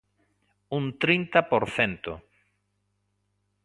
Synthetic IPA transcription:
ũnt̪ɾint̪apoɾθent̪ʊ̰

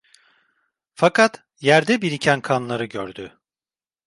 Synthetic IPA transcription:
fakat̪ | jæɾd̪ɛbiɾicʰænkʰanlˠaɾɯɟø̰ɾd̪y

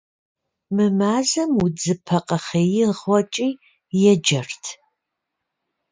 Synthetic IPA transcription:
mɨmaːzɐmud͡zɨpʰɐqʼɐχejɪʁʷɔt͡ʃʼiː | jɛd͡ʒɐrtʰ

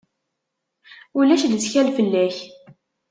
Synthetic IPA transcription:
ulæʃlət͡sçælfəlːæç

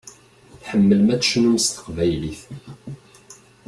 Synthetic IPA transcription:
θħəmːəlmætʃnumst̪ə̥qvæjliθ

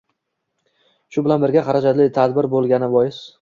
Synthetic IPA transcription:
ʃʊbɪlanbɪɾɡʲaχaɾad͡ʒat̪lɪt̪ʰad̪bɪɾbolˠɡʲanɪbɒjɪs

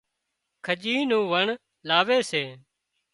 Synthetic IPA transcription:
kʰəd͡ʒiːnũːʋəɳ | laːʋeːseː

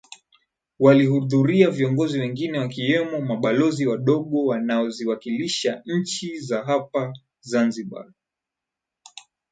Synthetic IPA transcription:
walihuðuɾiaviɔŋɡɔziwɛŋɡinɛwakiwɛmɔmaɓalɔziwaɗɔɠɔwanaɔziwakiliʃaɲ̩t͡ʃizaɦapa | zanziɓa̰

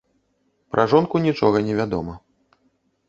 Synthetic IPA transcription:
pɾʔɐʐɔnkunʲit͡ʂɔɣɐnʲɛvʲad̪ɔmɐ

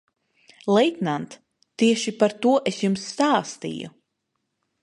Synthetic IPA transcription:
lˠɛjt̪nant̪ː | iɛʃipaɾt̪uɔʔesjumsːt̪aːst̪ḭjṵ

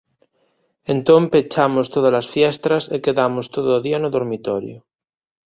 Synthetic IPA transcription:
ent̪ompet͡ʃamost̪oð̞alasfjest̪ɾasekeðamost̪oðoːðianoðoɾmit̪oɾjo

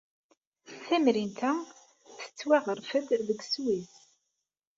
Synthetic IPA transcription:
θæmɾint̪æ | θθə̥t͡sːwæʁəɾfəd̪ðəɡswiθ

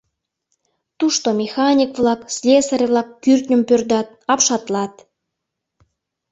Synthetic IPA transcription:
t̪uʃt̪omʲexɑnʲikvlɑkslʲesəɾʲvlɑkːyrt̪nʲə̆mpørd̪ɑt̪̚ɑpʃɑt̪lɑt̪

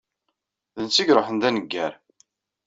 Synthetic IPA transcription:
ðənt͡sːiɡɾˤoħənd̪ænəɡːæɾ

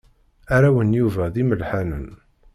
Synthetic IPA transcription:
æɾæwənjuvæðiməlħanən

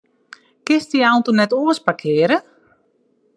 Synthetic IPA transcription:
kɪstiawntunɛtoəspakʰɪəɾə

